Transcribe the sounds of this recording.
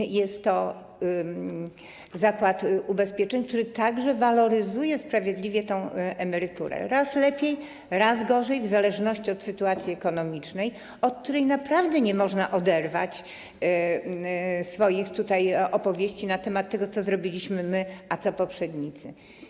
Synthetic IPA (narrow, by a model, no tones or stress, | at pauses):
jɛst̪ːɔ | zakwat̪ubɛspʲjɛt͡ʂɛɲʲkt̪uɾɘt̪aɡʐɛvalɔɾɘzujɛspɾavʲjed̪lʲivʲjɛt̪ɛ̃w̃ʔɛmɛɾɘt̪ṵɾɛ̰ɾaslɛpʲjej | ɾazɡɔʐɛjvzalɛʐnɔɕt͡ɕiɔt̪sɘt̪uat̪sʲjiɛkɔnɔmʲit͡ʂnɛj | ɔt̪̚t̪uɾɛjnapɾavd̪ɛɲɛmɔʐnaʔɔd̪ɛɾva̰t͡ɕ | sfɔjixt̪ut̪ajɔpɔvʲjeɕt͡ɕinat̪ɛmat̪ːɛɡɔt̪sɔzɾɔbʲilʲiɕmɘmɘʔat̪sɔpɔpʂɛd̪ɲit̪sɘ